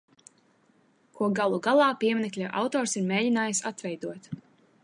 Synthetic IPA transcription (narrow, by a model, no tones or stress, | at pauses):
kuɔɡalˠuɡalˠɑːpiɛmnɛklʲaʔa̰wt̪ɔːɾsiɾmeːɟinaːjsat̪vɛjd̪uɔt̪